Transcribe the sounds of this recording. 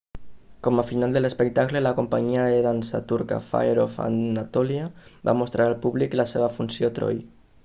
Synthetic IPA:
komafinald̪elespek̚t̪aklelakompaɲiaðeðansa̰t̪uɾka̰fa̰jɾofa̰nat̪ɔliaba̰most̪ɾʔaɾalpuβliklaseβ̞afunsjot̪ɾo̰j

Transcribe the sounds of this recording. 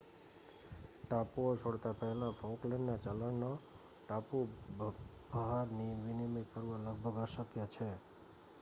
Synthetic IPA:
ʈapuot͡ʃʰoɽt̪apəɦɛlãfõklẽɳɖnat͡ʃələɳno | ʈapu | b̥əɦaɾniʋinimekəɾʋãləɡbʱəɡəʃəkjat͡ʃʰe

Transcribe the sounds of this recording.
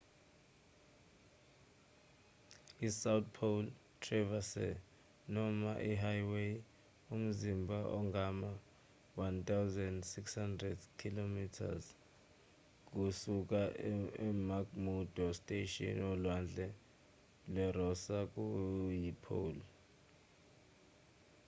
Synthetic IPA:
isawt̪̚pʰol | tʰrɛvasɛ̰ | nɔmaʔiɦajwej | um̩zimbʱaʔɔŋɡʱama | want̪ʰʼawzɛndsikshandrɛdkʰilomitʰa̰z | k̬ʼusuk̬aɛmakmudʱɔstʼeʃɔ̰nɔlwand͡ɮʱɛ | lɛrɔsak̬ʼujipʰo̰ːl

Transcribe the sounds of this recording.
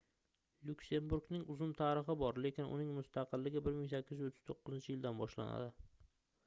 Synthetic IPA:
lʊkʲse̞mbʊɾɡnɪŋʊzʊmt̪ʰaɾɪχɪbɒɾle̞kʲɪnʔʊ̰nɪŋmʊst̪ʰɑqɨlːɪɡʲɪbɪɾmɪŋsakʲʰːɪzot̪ʰːɪ̥z̥t̪ʰoqːʊzɪnt͡ʃʰɪjɪld̪anbɒʃla̰na̰d̪ɪ

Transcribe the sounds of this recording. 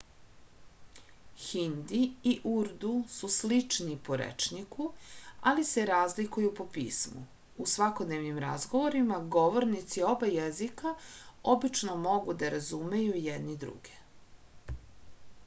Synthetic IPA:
xind̪iiʔuɾd̪ususlit͡ʂnipo̞ɾḛt͡ʃnikualise̞ɾaːzlikujupo̞pḭːsmṵ | usʋako̞d̪neʋnimɾazɡo̞ʋoɾimaɡo̞ʋo̞ɾnit̪sio̞bajezikao̞bit͡ʃno̞mo̞ɡud̪aɾazumejujed̪nid̪ɾṵɡe̥

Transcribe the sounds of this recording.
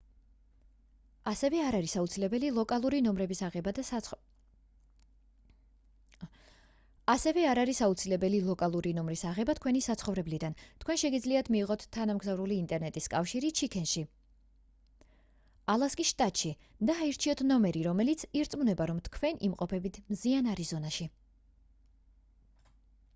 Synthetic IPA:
asɛvɛaɾaɾisaut̪sʰilɛbɛlilˠɔkʼalˠuɾinɔmɾɛbisaʁɛbad̪ | asɛvɛaɾaɾisaut̪sʰilɛbɛlilˠɔkʼalˠuɾinɔmɾisaʁɛbat̪ʰkʰwɛnisat̪sχɔvɾɛblid̪ant̪ʰkwɛnʃɛɡid̪zliat̪ʰmiːʁɔt̪ʰːanamɡzavɾuliːnt̪ʼɛɾnɛt̪ʼiskʼafʃiɾit͡ʃʰikʰɛnʃi | alˠaskʼisʃt̪ʼat̪ʼʃi | d̪aːiɾt͡ʃʰiɔt̪ʰnɔmɛɾiɾɔmɛlit̪sʰiɾt̪sʼmunɛbaɾɔmt̪ʰkʰwɛnʔimqʼɔpʰɛbit̪ʰmzianaɾizɔnaʃi

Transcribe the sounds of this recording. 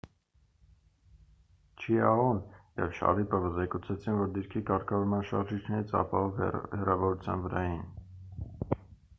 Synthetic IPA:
t͡ʃʰiɑʁunjɛ̰vʃɑ̰ɾipəvəzɛkut͡sʰɛt͡sʰinvɔɾd̪iɾkʰikɑɾkʰɑvɔɾmɑnʃɑ̰ɾʒit͡ʃʰnɛɾit͡sʰɑ̰pɑɦɔvhɛrɑvɔɾut͡sʰjɑ̰nvəɾɑjin

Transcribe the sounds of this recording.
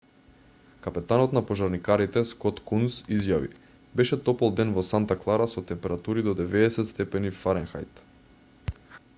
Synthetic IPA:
kapɛt̪anɔt̪napɔʒaɾnikaɾit̪ɛskɔt̪kunsizjavḭ | bɛʃɛt̪ɔpɛlˠd̪ɛnvɔsant̪aklˠaɾasɔt̪ɛmpɛɾat̪uɾid̪ɔd̪ɛvɛɛsɛt̪st̪ɛpɛnifaɾɛnxa̰jt̪

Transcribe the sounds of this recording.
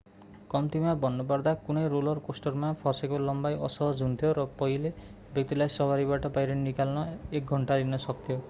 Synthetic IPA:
kɔmt̪imabɔnːɔbaɾd̪akunejɾolɔɾkosʈɔɾmapʰɔsekolɔmbajɔsɔɦɔd͡ʒʱɦunt̪ʰijoɾɔpɔɦile | bjɔk̚t̪ilajsɔbaɾibaʈɔpajɾennikalɔnɔek̚ɡʱɔɳʈaɾinɔsʌkt̪ʰjo

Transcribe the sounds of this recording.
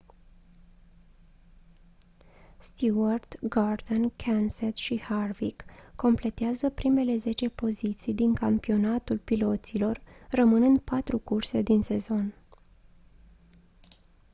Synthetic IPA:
st̪uərd̪̥ɡard̪onkʰanset̪ʃiharvikːo̞mple̞t̪eazəpɾime̞le̞ze̞t͡ʃe̞po̞zit̪sijd̪iŋkampio̞nat̪ulpilo̞t̪silo̞rːəmɨnɨnd̪̚pat̪ɾukurse̞d̪inse̞zo̞n

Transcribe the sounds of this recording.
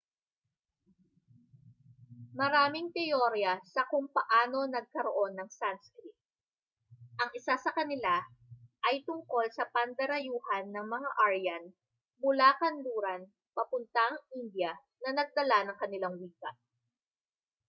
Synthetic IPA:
mɐɾaːmɪŋt̪ɛjoɾjɐsɐkʊŋpɐʔaːno̞nɐɡ̚kɐɾo̞ʔo̞nːɐŋsanskɾit̪̚ | ʔɐŋʔɪsasɐkɐnɪlaʔɐjt̪ʊŋko̞lsɐpɐnd̪ɐɾɐjuːhɐnːɐŋmɐŋaʔaɹjɐn | bʊlaːkɐnluːɾɐn | pɐpʊnt̪aʔɐŋʔind̪jɐ | nɐnɐɡ̚d̪ɐlanɐŋkɐnɪlaŋwiːkɐ

